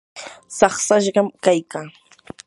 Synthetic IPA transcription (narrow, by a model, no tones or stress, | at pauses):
sɑχsaʃɢɑmkajkaː